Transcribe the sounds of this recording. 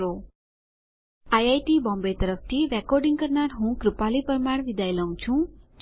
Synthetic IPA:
o | ajajʈibɔ̃mbet̪əɾəft̪ʰiɾɛkɔɾɖĩŋɡkəɾnaɾɦũkɾupalipəɾmaɽʋid̪ʱajləɦũt͡ʃʰũ

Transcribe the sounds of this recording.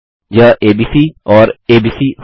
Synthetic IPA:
jaːʔeːbiːsiːɔːɾeːbiːsiːh

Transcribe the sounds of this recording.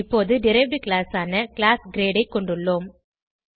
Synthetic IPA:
ɪpːoːðɯɖɪɾɐbɾikɭaːsaːnɐkɪlaːsɡɾeːɽɐɪkːɔɳɖɯɭːoːm

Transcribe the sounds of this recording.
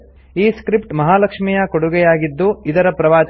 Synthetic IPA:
iːskɾipʈmɐɦaːlɐkʂmijɐkoɽuɡɛjaːɡid̪ːuid̪ɐɾɐpɾɐʋaːt͡ʃ

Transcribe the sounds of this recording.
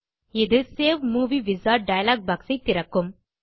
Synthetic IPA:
ɪðɯseːʋmuːʋiʋɪzaːɖɐjɐlaːɡ̚baːksɐɪt̪ːɪɾɐkːɯm

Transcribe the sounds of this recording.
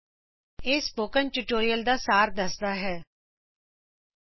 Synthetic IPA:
eːspoːkənʈuːʈoːɾijəld̪aːsaːɾd̪əsd̪aːɦɛː

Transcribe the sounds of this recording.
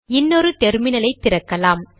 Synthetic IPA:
ɪnːɔɾɯt̪ɛɾmɪnɐlɐɪt̪ːɪɾɐkːɐlaːm

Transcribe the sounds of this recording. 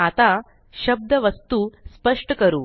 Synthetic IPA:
at̪a | ɕɐb̚d̪ʱɐʋɐst̪uspɐʂʈəkɐɾṵː

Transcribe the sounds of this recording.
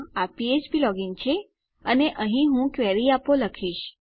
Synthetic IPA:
apiet͡ʃbilɔɡɪŋɡt͡ʃʰe | əneʔə̃ɦĩɦũkʋɛɾiapoləkʰiʃ

